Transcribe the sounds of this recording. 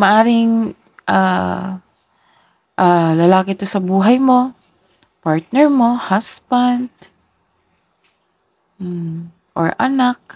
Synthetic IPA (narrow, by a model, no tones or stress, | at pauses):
mɐʔaːɾɪŋ | ʔa̰ː | ʔaːlɐlaːkɪt̪osɐbuːɦɐjmo̞ | paɹt̪̚nɛɹmo̞hasbɐnd̪̥ | ʔo̰ɹʔɐ̰nak̚